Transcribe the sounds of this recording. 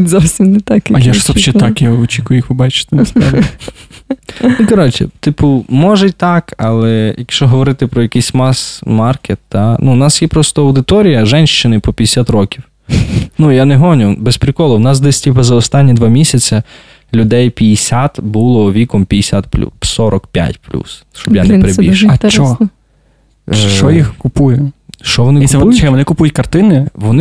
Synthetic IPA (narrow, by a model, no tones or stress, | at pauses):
zɔwsʲimnet̪ɑkjɐɐjaʃzɔʃɛt̪ɑkjaɔt͡ʃikʊjʊixʋɪbɑt͡ʃɪ̥t̪ɪnspɾai | ikɔɾɔt͡ʃɪ̰t̪ɪpʊmɔʒɛt̪ɑkʰɐlˠɛjɐkʃt͡ʃɔɦɔʋɔɾɪt̪ɪpɾɔjɐkɪjsʲmɑsmɑrket̪ːɑnunɑsjɛpɾɔst̪ɔɐwd̪ɪt̪ɔɾʲijɐʒɛnʲʃt͡ʃɪnɪpɔpʲijɪsʲat̪ɾɔkʲiw | nujaneɦɔnʲʊbespɾɪkɔlˠɔwnɑsd̪ɛsʲtʲipɐzɐɔst̪ɑnʲːid̪ʋɑmʲisʲɐt͡sʲɐ | lʲʊd̪ɛjpʲijɪsʲat̪bulˠɔʋʲikɔmpʲijesʲat̪̚plʲṵsɔɾɔkpʲja̰tʲplʲṵs | t͡ʃɔbjanɛpeɾeḭʃt͡ʃɔ | ʃt͡ʃɔjixkʊpujʊʃt͡ʃɔʋɔnɪk̪k̪sɛʋɔnɪkʊpujʊtʲkɐrt̪ɪnɪʋɔnɪ